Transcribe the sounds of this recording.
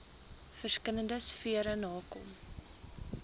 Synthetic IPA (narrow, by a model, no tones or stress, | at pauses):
fərskələndəsfiəɾənɑːkɔm